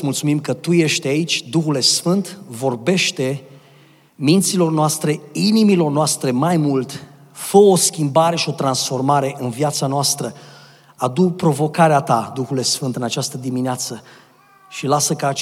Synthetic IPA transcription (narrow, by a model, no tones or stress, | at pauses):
mult̪sumimkət̪uje̞ʃt̪ait͡ʃʲd̪uxule̞sfɨnt̪vo̞rbe̞ʃt̪e̞ | mint̪silo̞rnoast̪ɾe̞inimilo̞rnoast̪ɾe̞majmult̪ | fəoskʲimbaɾe̞ʃio̞t̪ɾansfo̞rmaɾe̞ʔɨnviat̪sanoast̪ɾə | ad̪upɾo̞vo̞kaɾeat̪ad̪uxule̞sfɨnt̪ɨnat͡ʃast̪əd̪imineat̪sə | ʃilasəkaː